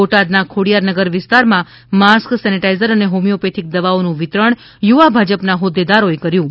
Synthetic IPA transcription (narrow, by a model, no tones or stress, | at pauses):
oʈad̪nakʰoɽijaɾnəɡəɾʋɪst̪aɾmã | masksɛniʈaijzəɾəneɦomijopet̪ʰik̚d̪əʋaonũʋɪt̪ɾəɳ̃ | juʋabʱad͡ʒəpnaɦod̪ːed̪aɾoekəɾjũ